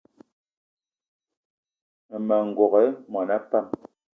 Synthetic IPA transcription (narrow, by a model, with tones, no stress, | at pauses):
mɛ˨ŋ̩˨ɡɔ˨ɣɛ˨˦mɔ˨na˦pa˦˨m